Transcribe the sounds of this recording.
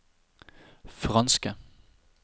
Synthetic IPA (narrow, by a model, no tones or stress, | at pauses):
fʁɑnsɡ̥ə